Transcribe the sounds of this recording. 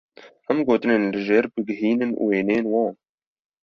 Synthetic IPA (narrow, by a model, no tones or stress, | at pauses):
hɛmɡoːt̪ɨneːnlɨʒeːɾbɨɡɪɦiːnɨnʔṵːweːneːnwɑ̃ːn